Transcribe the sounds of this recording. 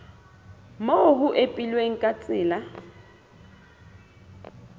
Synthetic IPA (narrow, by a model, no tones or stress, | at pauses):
moɦʊʔepʼilweŋ̩kʼat͡sʼɪːla